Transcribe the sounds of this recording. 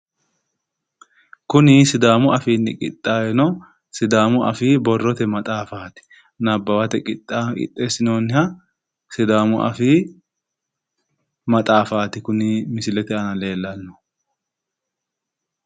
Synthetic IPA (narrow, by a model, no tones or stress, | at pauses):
kʊnisɪd̪aːmʊɐfiːnːɪkʼɪ̰t̪ʼːaːjɛnɔ | sɪd̪aːmʊʔɐ̰fiːbɔrːɔt̪ɛmɐt̪ʼaːfaːt̪ɪ̥ | nɐbːɐwɐt̪ɛkʼɪt̪ʼːakʼɪ̰t̪ʼːeːsɪnoːnːɪhɐ | sɪd̪aːmʊʔɐ̰fiː | mɐt̪ʼaːfaːt̪ɪkʊnimɪsɪlɛt̪ɛɐnɐle̞ːlːɐnːɔ̥